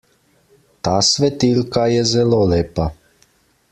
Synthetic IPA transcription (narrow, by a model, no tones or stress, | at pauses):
t̪aːsʋɛt̪iːlkajɛzɛloːleːpa